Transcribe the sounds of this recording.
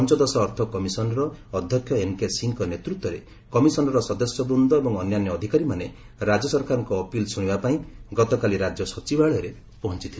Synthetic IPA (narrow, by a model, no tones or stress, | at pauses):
ɔnt͡ʃɔd̪ɔsɔːɾt̪ʰɔkɔmisɔnɔɾɔːd̪ʱjɔkʰjɔenkesiŋkɔnet̪ɾut̪wɔɾe | kɔmisɔnɔɾɔsɔd̪ɔsjɔbɾund̪ʱɔebɔŋɔnjanjɔːd̪ʱikaɾimane | ɾad͡ʒɔsɔɾkaɾɔŋkɔːpilsuɽ̃ibapaĩɡɔt̪ɔkaliɾad͡ʒjɔsɔt͡ʃibaɭɔɾe | pɔɦɔnt͡ʃit̪ʰil